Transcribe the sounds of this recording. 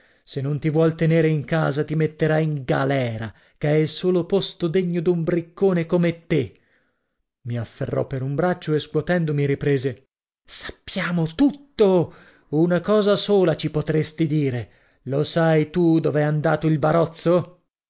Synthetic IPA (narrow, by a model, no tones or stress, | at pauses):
senːont̪ivwɔlt̪eneːɾeiŋkaːzat̪imet̪ːeɾaiŋɡa̰lɛːɾa | keɛilsoːlopost̪od̪eɲːod̪umbɾikːoːnekomet̪ːe | miafːḛrːɔ̰pːeɾumbɾat͡ʃːoeskwot̪ɛnd̪omiɾipɾeːze | sḁpːjaːmot̪ut̪ːo | unakɔːzasoːlat͡ʃipot̪ɾest̪id̪iːɾe | losajt̪ud̪ovɛand̪aːt̪oilbaɾɔt̪sːo